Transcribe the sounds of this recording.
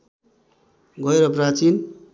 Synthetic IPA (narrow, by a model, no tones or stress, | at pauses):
ɡʌeɾʌprat͡sin